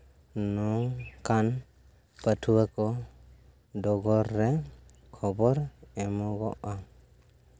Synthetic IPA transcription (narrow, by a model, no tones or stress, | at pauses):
nɔŋkan | pətʰuwakɔ | dɔɡɔɾːɛ | kʰɔbɔɾɛmɔɡɔʔa